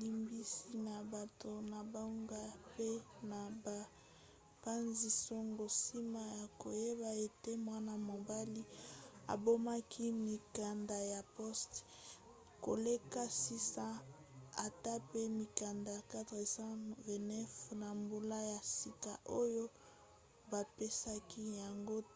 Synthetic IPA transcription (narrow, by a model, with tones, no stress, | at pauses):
li˦mbi˦si˦na˨ba˨to˨na˨ba˨u˦ŋɡa˦pe˦na˨ba˨ | pa˦nzi˨so˦ŋɡo˨si˦ma˦ja˨ko˨je˦ba˨e˨te˦mwa˦na˨mo˨ba˦li˦a̰˨bo˦ma˦kʰi˦mi˨ka˨nda˨ja˨pɔ˦st | ko̰˨le˦ka˦si˦sã˦ | a˨ta˦pe˦mi˨ka˨nda˨ka˦tʁe˨sã˦vɛ˨nɛ˦fna˨mbu˨la˦ja˨si˨ka˨ʔo˦jo˦ | ba˨pe˦sa˦ki˦ja˨ŋɡo˦